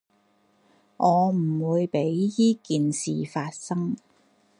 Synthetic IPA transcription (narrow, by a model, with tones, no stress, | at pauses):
ʔɔː˨˧m̩˨˩wuː˨˧jpe˨˥jjiː˥kiː˨nsḭː˨faː˧t̚sɐ˥ŋ